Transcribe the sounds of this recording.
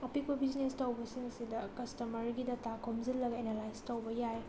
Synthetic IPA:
ɐpik̚bɐbiznestɐwbɐsiŋsidɐkɐstɐmɐɾɡidɐtakʰomzilːɐɡɐenelajstɐwbɐjaj

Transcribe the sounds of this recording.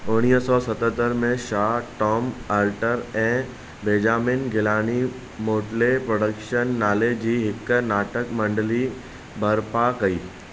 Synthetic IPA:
ʊɽ̃iːsɔsət̪ət̪əɾmẽʃaːʈɔːmalʈəɾɛ̃ː | beːd͡ʑaːmɪnɡʱɪlaːɽ̃i | moːʈlepɾoːɽəkʃənːaːled͡ʑiːɦɪknaːʈəkmɐ̃ɳɖəli | bʱəɾpakɐiː

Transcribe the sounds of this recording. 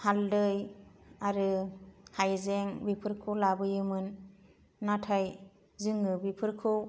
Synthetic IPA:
haldɯjaɾɯhajzeŋbipʰɯɾkʰɯwlabɯjɯmɯnː | atʰaj | zɯŋɯbipʰɯɾkʰɯw

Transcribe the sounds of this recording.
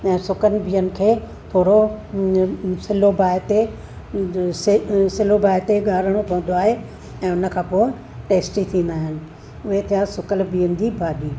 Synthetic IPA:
ɛ̃ːsʊkənɪ̆bʱiːənɪ̆kʰeː | t̪ʰoːɽo | sɪlobʱaːɪt̪e | ssɪlobʱaːɪt̪eɠaːɾəɽ̃opɐ̃ɦə̃nd̪oaːɦe | ɛ̃ːʊnə̆kʰãːpoːɪ | ʈeːsʈit̪ʰĩːnd̪aːɦɪnɪ̆ | ʊɦet̪ʰijasʊkəlbiːənɪ̆d͡ʑibʱaːɗiː

